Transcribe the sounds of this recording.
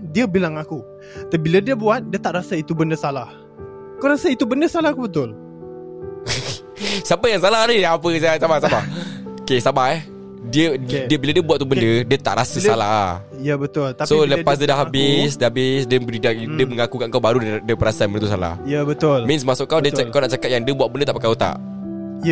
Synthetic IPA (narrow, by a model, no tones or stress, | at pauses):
diəbilaŋaku | t̪əbilədiəbuat̪̚diət̪aʔɾasəit̪ubəndəsalah | kawɾasəit̪ubəndəsalahkubət̪ʊl | sapajaŋsalahniapəsajasabasabaokesabahɛh | diədiəbiladiəbuat̪̚t̪ubəndədiət̪a̰ʔɾasəsala̰ɦa | jəbət̪ʊlt̪asoləpas̬dədaɦabɪsdabɪsdəbədidak̚diəməŋakukaʔŋkawbaɾuddiəbəɾasəanbəndət̪us̬ala̰hjəbət̪ʊlmɪnsmasʊʔkːawdiəkawnaʔt͡ʃakat̪̚jaŋdiəbwaʔbəndət̪aʔpəkaut̪a̰ʔ | jə